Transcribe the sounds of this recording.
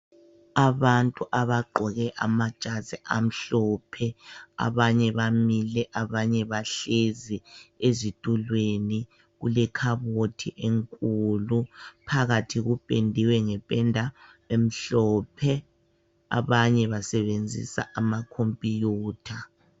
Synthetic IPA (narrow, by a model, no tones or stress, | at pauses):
aβantʼuʔaβaɡ͡ǃʱɔɣɛʔamḁt͡ʃʼazɛʔam̩ɬɔːpʰɛa̰βaɲɛβamilɛʔaβaɲɛβaɬeziezitʼulweni | ɣulɛkʰaβotʰiʔeŋkʼulupʰaɣatʰiɣupʼendʱiwɛŋɛpʼɛndʱa | em̩ɬɔːpʰɛ | a̰βaɲɛβasɛβend͡zʱḭsa̰ʔamakʰompʼijuːtʰa